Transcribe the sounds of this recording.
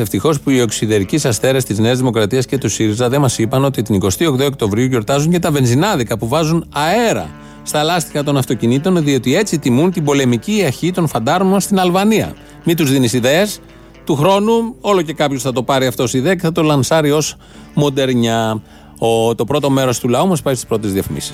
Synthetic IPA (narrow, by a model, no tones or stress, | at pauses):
eft̪ixo̞spuio̞ksiðeɾicisɐsθe̞ɾɐst̪izneɐzðimo̞kɾɐt̪iɐsce̞t̪usiɾizɐðe̞mɐsipɐno̞t̪it̪iniko̞st̪io̞kt̪ookt̪o̞vɾiuʝo̞ɾt̪ɐzuɲce̞t̪ɐve̞nzinɐðikɐpuvɐzunɐe̞ɾɐ̰ | st̪ɐlɐst̪ixɐt̪o̞nɐft̪o̞cinit̪o̞nðio̞t̪ie̞t͡sit̪imunt̪ibo̞le̞miciːɐɾçit̪o̞nfɐnd̪ɐzmo̞nst̪inɐlvɐniɐ̰ | mit̪uzðinisiðe̞ːs | t̪uxɾo̞nuo̞lo̞ce̞kɐpçosθɐt̪o̞pɐɾiɐft̪osiðeɐce̞θɐt̪o̞lɐnsɐɾio̞s | mo̞d̪e̞ɾɲɐ | ot̪o̞pɾo̞t̪o̞me̞ɾo̞st̪ulɐumɐspɐɾist̪ispɾoiezðiɐfimḭsi̥s